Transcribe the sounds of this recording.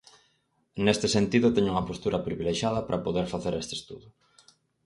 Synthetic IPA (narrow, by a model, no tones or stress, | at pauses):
nest̪esent̪iðʊt̪ɛɲʊuŋɐpost̪uɾʔɐpɾiβileʃjað̞ɐpɾʔɐpoðeɾfaθeɾest̪est̪uðʊ